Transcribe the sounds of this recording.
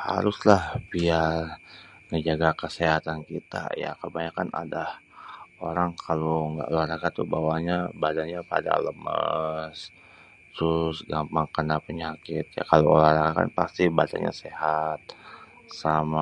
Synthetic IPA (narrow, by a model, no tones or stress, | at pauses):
ha̰ɾʊslahbiarŋəɲd͡ʒaɡakəseɦat̪ankit̪a̰ja̰kəbaɲakana̰dahoɾaŋkʰaloŋɡa̰ʔolaɾakat̪ubawaɲabadanɲapa̰da̰ləməs | t̪ɾʊsɡampaŋkənapəɲakɪt̪̚ja̰kaloolaɾakaka̰npast̪ibada̰nɲa̰sehat̪̚ | sama